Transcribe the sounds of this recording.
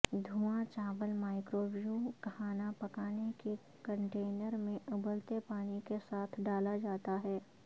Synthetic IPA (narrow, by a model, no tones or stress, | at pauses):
d̪ʱuːãt͡ʃaːʋəlmaːɪkɾoːbijũkhaːnapɐkaːneke | kə̃ɳʈeːnəɾmẽʔʊbəlt̪epaːnikesaːt̪ʰɖaːlad͡ʒaːt̪aɦɛː